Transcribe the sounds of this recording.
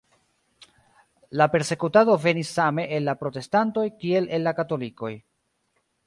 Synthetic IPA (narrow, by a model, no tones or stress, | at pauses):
lape̞ɾse̞kutado̞ve̞nisːame̞ʔenlapɾo̞te̞stanto̞jkie̞le̞lːakato̞liko̞̰j